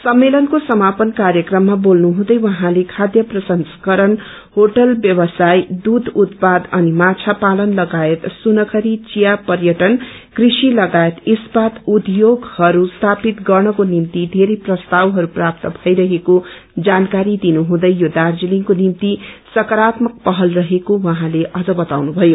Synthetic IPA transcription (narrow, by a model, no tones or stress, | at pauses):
sʌmːelʌnkosʌmapʌnkaɾjʌkrʌmːabolnuɦũd̪ʌjwʌɦãlekʰad̪jʌprʌsʌnskʌɾʌn | hoʈʌlbjʌbʌsajd̪ud̪ʱut̪pad̪ʌnimat͡sʰapalʌnlʌɡaet̪sunʌkʰʌɾit͡sijapʌrjʌʈʌn | krisilʌɡaet̪ispat̪ud̪joɡhʌɾust̪ʰapit̪ɡʌrnʌkonimt̪id̪ʱeɾejprʌst̪awɦʌɾuprap̚t̪ʌbʱʌjɾʌɦeko | d͡zankaɾid̪inuɦũd̪ʌjjod̪ard͡ziliŋkonimt̪isʌkʌɾat̪mʌk̚pʌɦʌlrʌɦekowʌɦãleʔʌd͡zʌbʌt̪awnubʱʌjo